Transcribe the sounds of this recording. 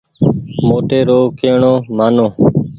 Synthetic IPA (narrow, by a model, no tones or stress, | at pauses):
moːʈeːɾoːkeːɳoːmaːnoː